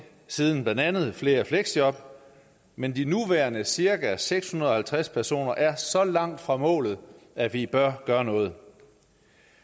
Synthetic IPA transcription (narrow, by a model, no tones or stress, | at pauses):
siːð̞ˠn̩b̥lænd̥ænð̞̩ˠfle̝ːɐfleɡ̥sjɒ̽b̥ | mend̥inuʋæɐnəsiɐɡ̥æseɡ̥shunɐðˠɒ̽hælt͡sʰʁaspʰæɐso̝̰ːnɐʔæɐsɒ̽lɑ̈ŋ̰d̥fʁɑ̈mɔ̰̽ːlð̞̩ˠæʋib̥ɶɐɡ̥ɶːɐnɔ̽ːð̞̩ˠ